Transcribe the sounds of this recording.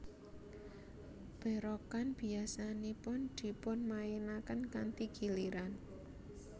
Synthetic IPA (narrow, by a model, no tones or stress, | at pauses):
b̥ɛ̤ɾɔkanb̥i̤asanipʊnd̪̥i̤pʊnmajenakənkant̪iɡ̥i̤liɾan